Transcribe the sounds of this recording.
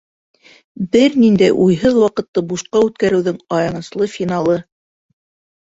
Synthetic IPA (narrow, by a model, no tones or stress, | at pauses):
bɘɾnind̪æjʔujɦɤðwɑqɤ̆t̪ːɤbuʃqɑʉt̪̚kæɾɘ̆wðɘŋɑjɑnɤ̆slˠɤfʲinɑlˠɤ